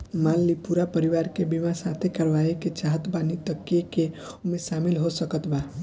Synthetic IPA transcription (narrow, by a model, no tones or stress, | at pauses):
malːipuɾapəɾiʋaɾkebimasat̪ʰekəɾʋaeket͡ʃaɦət̪banit̪əkːeke | omẽsamilɦosəkət̪ba